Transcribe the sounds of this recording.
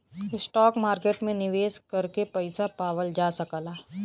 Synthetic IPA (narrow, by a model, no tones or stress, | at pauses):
ɪsʈɔːkmaːɾkeːʈmẽnɪʋeːskɐɾkepɛɪsapaːʋəld͡ʒaːsɐkəlaː